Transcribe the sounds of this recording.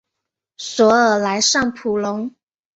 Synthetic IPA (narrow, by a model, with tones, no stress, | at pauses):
swɔ˨˧˥ə˨˩la˧˥ɪʂɑ˥˩ŋpʰu˨˩lʊ˧˦ŋ